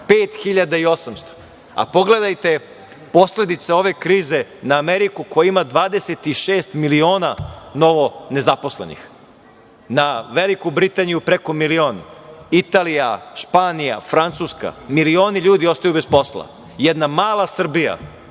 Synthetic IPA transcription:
peːt̪xiʎad̪aio̞samst̪o̥ | a̰po̞ɡle̞d̪ajt̪e̞ | po̞sle̞d̪it̪sao̞ʋe̞kɾiːze̞naːmeɾikukojaimad̪ʋaːd̪ese̞t̪iʃeːst̪milio̞ːnano̞ʋo̞ne̞zaposlḛnḭx | naʋelikubɾit̪anijupɾeko̞milio̞ːnit̪aːlijaʃpaːnija̰fɾant̪suːska̰milio̞ːniʎuːd̪io̞st̪ajubespo̞slˠa̰ | jɛd̪namaːlˠasr̩bija̰

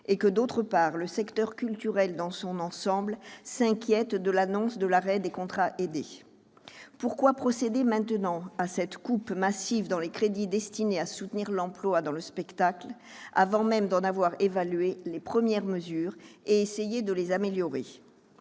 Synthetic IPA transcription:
ekəd̪ot̪χəpaʁləsɛkt̪œʁkʲylt̪yʁɛld̪ɑ̃sɔ̃nɑ̃sɑ̃blsɛ̃kʲjɛt̪d̪əlanɔ̃sd̪əlaʁɛd̪ekɔ̃t̪χaʔed̪e | puʁkwapχɔsed̪emɛ̃t̪ənɑ̃asɛt̪kupmasivd̪ɑ̃lekχed̪id̪ɛst̪ineasut̪niʁlɑ̃plwad̪ɑ̃ləspɛkt̪akl | a̰vɑ̃mɛmd̪ɑ̃navwaʁevalɥelepχəmjɛʁməzyːʁeesejed̪əlezameljɔʁe

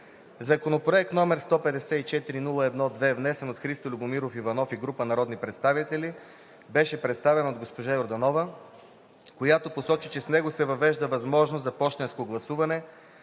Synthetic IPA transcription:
zɐkonopɾoɛk̚t̪nɔmɛɾst̪ɔpɛd̪ɛsɛit͡ʃɛt̪iɾinulˠɐɛd̪nɔd̪vɛvnɛsɛnot̪xɾist̪olʲuɡʊmiɾofivɐnɔfiɡɾupənɐɾɔd̪nipɾɛt̪st̪avit̪ɛli | bɛʃɛpɾɛt̪st̪avɛnɐod̪ɡospoʒajoɾd̪ɐnɔvə | kojat̪oposɔt͡ʃit͡ʃɛsnɛɡosɛvɐvɛʒd̪əvɐzmɔʒnozzɐpɔʃt̪ɛnskoɡlˠɐsuvɐnɛ

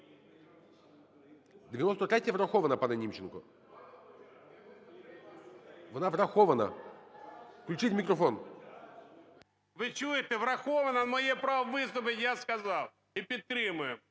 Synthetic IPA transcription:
d̪ʲɪʋʲjɪnɔst̪ɔt̪ɾʲɛtʲjɐʋɾɐxɔʋɐnɐpɐnɐnʲimt͡ʃɪnkʊ | ʋɔnavɾɐxɔʋɐnɐ̰ | fklʲʉt͡ʃɪtʲmʲɪkɾɔfɔn | ʋɪt͡ʃujɪt̪ɛʋɾɐxɔʋɐnɐmɔjɛpɾawʋɪst̪ʊpɪkjaskɐzɑw | ipʲid̪̚t̪ɾɪmʊjʊm

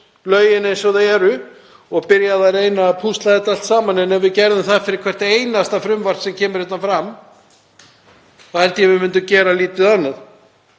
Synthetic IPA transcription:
lœːɥjɪnɛsɔðaɛɾʏ | ɔɣpɪɾjaðarejnaːpʰust̪laðɛt̪al̥t̪saːmanɛnɛnvɪðcɛɾðʏmθaðfɪɾɪɾ̥kʰvɛr̥t̪eːjnast̪afɾʏmvar̥t̪sɛmcʰɛːmʏɾ̥hɪht̪ːanfɾam | θahɛlt̪ʏjɛvɪmʏnt̪ʏcɛːɾaliːt̪ɪðanːað

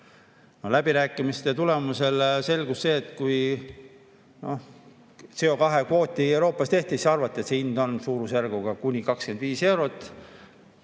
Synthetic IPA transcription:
no̞læb̥iɾæːkːˑimist̪e̞t̪ule̞muse̞lse̞lɡusse̞ːt̪ːkuj | no̞̰h | seo̞kɑɦe̞kvo̞ːt̪ːˑiewɾo̞ːpːˑɑst̪e̞ht̪isɑrvɑt̪ˑːe̞t̪seind̪̥o̞nsuːɾusærɡuɡ̥ɑkunʲikɑkske̞nd̪viːse̞wɾo̞t̪ːˑ

